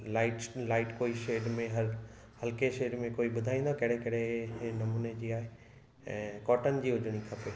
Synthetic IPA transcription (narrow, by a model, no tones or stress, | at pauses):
laːɪʈlaːɪʈkoːiʃeːɪɖmẽɦɐɾ | hɐlkeʃeːɪɖmẽkoːiɓʊd̪ʱaːĩːnd̪okɐɦɽekɐɽenɐmuːned͡ʑiːaːɦe | ɛ̃ːkɔːʈənɪ̆d͡ʑiːɦʊd͡ʑʱəɽ̃ikʰɐpeː